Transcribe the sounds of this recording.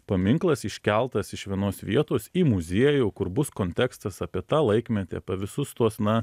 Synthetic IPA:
pɐmʲɪŋklˠɐsɪʃʲkʲɛlˠt̪ɐsɪʃʋʲiɛnoːsʋʲiɛt̪oːsiːmʊzʲiɛjuːkʊɾbʊskoːnʲt̪ʲɛkst̪ɐsɐpʲiɛt̪ɑːlˠɐɪkmʲɛt̪ʲḛɐpʲɐʋʲɪsʊst̪uɔsnɐ

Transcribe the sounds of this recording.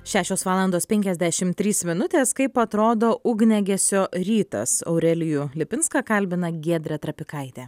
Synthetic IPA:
ʃʲæːʃʲoːsʋɑːlˠɐnd̪oːspʲɛŋʲkʲɛzʲd̪ʲæʃʲɪmt̪ʲɾʲiːsmʲɪnʊt̪ʲeːskɐɪpɐt̪ɾoːd̪oːʊɡnʲɛɡʲɛsʲoːɾʲiːt̪ɐ̰sɐ̰ʊɾʲɛlʲɪjulʲɪpʲɪnskɐkɐlʲbʲɪnɐɡʲiɛd̪ʲɾʲɛt̪ɾɐpʲɪkɐɪt̪ʲeː

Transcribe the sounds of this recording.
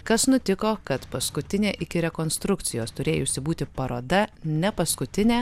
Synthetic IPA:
kɐsnʊt̪ʲɪkoːkɐt̪pɐskʊt̪ʲɪnʲeːʔɪkʲɪɾʲɛkoːnst̪ɾʊkt̪sʲɪjoːst̪ʊɾʲeːjʊsʲɪbuːt̪ʲɪpɐɾoːd̪ɐnʲɛpɐskʊt̪ʲɪnʲæː

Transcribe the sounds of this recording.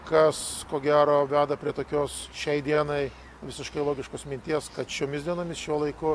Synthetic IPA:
kɐskoːɡʲæːɾoːʋʲæːd̪ɐpʲɾʲiɛt̪oːkʲoːsʃʲɛɪd̪ʲiɛnɐɪ | ʋʲɪsʲɪʃkɐɪlˠoːɡʲɪʃkoːsmʲɪnʲt̪ʲiɛskɐt̪ʃʲoːmʲɪsd̪ʲiɛnoːmʲɪsʃʲuɔlˠɐɪkʊ

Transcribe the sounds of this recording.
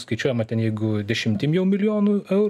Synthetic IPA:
skɐɪt͡ʃʲuɔjɛmɐt̪ʲɛnjɛɪɡʊd̪ʲɛʃʲɪmʲt̪ʲɪmjɛʊmʲɪlʲɪjoːnʊɛʊɾ

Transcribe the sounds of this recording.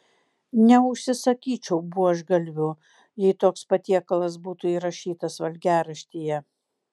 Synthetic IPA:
nʲɛʊʃʲsʲɪsɐkʲiːt͡ʃʲɛʊbuɔɐʒɡɐlʲʋʲʊ | jɛɪt̪oːkspɐt̪ʲiɛkɐlˠɐsbuːt̪ʊiːɾɐʃʲiːt̪ɐsʋɐlʲɡʲæːɾɐʃʲt̪ʲiːjɛ

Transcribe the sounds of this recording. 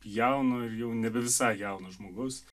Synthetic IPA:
jæʊnoːɪɾjɛʊnʲɛbʲɛʋʲɪsɑɪjæʊnoːʒmoːɡʊs

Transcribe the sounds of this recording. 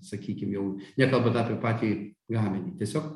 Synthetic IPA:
sɐkʲiːkʲɪmjɛʊnʲɛkɐlˠbɐt̪ɑpʲɛɾpɑːt̪ʲiɡɑːmʲɛnʲit̪ʲiɛsʲoːk

